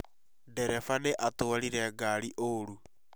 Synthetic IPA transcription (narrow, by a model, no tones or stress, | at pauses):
dɛɾɛfaneʔatoaɾiɾɛɡaɾiʔoɾu